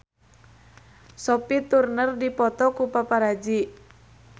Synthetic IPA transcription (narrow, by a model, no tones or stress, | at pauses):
sɔpit̪urnərdipɔt̪ɔkupapaɾad͡ʒi